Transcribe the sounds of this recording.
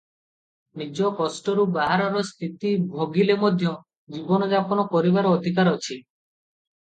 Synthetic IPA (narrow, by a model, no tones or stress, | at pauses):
nid͡ʒɔkɔsʈɔɾubaɦaɾɔɾɔst̪ʰit̪ibʱoɡilemɔd̪ʱjɔ | d͡ʒibɔnɔd͡ʒapɔnɔpɔɾibaɾɔːd̪ʱik̬aɾɔt͡ʃʰi